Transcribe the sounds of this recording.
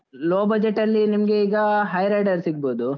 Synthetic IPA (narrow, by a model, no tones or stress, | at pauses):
loːbɐd͡ʒeʈːɐlːinimɡe̞iːɡɐɦɐjɾɐːɖɐɾsiɡ̚boːd̪u